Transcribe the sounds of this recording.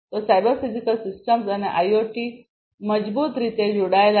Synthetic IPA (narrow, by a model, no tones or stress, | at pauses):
t̪ɔsajbəɾfid͡ʑikəlsisʈəmsaneʔajoʈiː | məd͡zbuːt̪ɾit̪ed͡ʑuɽajla